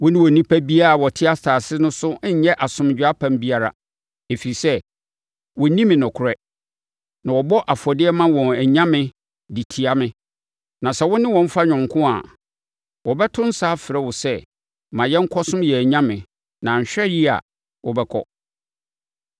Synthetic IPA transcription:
wʊ̃˦nɪ̃˦wɔ˨nĩ˦pʰæ˦bi˦a˦a˨wɔ˨tʰɪ˦a˦staː˨sɪ˦nʊ̃˦sʊ˦ɲ̩˦ɲɛ˦ʔa˨sʊ̃˨m˨d͡ʑᶣa˦pʰã˦˨m˦bi˦a˦ɾa̰˨ | e˨fi˨i˨sɛ˦ | wɔ˨˦nĩ˦mɪ̃˨nʊ̃˨kʰʊ˨ɾɛ˦ | nã˨wɔ˨bɔ˦ʔa˨fɔ˨dɪ˦ɛ˦mã˦wɔ̃˨næ˨ɲã˦mɪ̃˦ | di˨tʰi˨a˨mɪ̃˦ | nã˨sɛ˨˦wʊ̃˦nɪ̃˦wɔ̃˨m̩˦fa˦ɲᶣʊ̃˨ŋ˨kʰʊ̃˦a̰˨ | wɔ˨bɛ˦tʰʊ̃˦n̩˦saː˦fɪ˨ɾɛ˦wʊ˨sɛ˦ | mã˨jɛ˦ŋ̩˦kʰɔ˦sʊ̃˦mjɛ˨æ˨ɲã˦mɪ̃˨ | nã˨ɲ̩˨ɕᶣɛ˦ji˦a̰˨ | wɔ˨bɛ˦kʰɔ̰˦

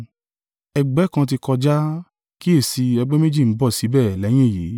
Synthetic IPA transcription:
ɛ˨ɡ͡bɛ˨˦kã˧t̬i˧kɔ˧d͡ʒa˦ | ki˦e˦˨si˧ɛ˧ɡ͡bɛ˦me˦d͡ʒi˦˨m̩˨˦bɔ˦˨si˨˦bɛ˦˨lɛ˨˦j̃ĩ˦˨je˨˦

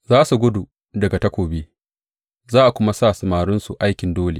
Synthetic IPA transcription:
zaː˦su˨ɡʷʊ˦du˨ | dɐ˨ɡa˨tɐ˦kʷoː˨beː˦ | zaː˦ʔa˨kʷʊ˦ma˦saː˦˨sɐ˨maː˨ɾʊ˦nsu˨ʔa˦jkʲɪ˨ndoː˦le˨

